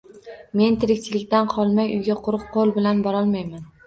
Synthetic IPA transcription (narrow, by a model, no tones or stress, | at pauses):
me̞nt̪ʰɪɾɪkʲt͡ʃʰɪlɪkʲt̪anqʰɒlˠmajʊ̰jɡʲaqʰʊɾɨq̚qʰːolˠbɪlanbɒɾɒlˠmajman